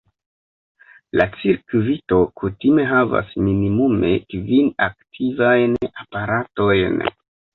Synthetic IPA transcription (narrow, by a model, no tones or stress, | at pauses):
lat͡siɾkvito̞kʰutime̞ɦava̰sminimume̞kvinaktʰivajnapaɾato̞jn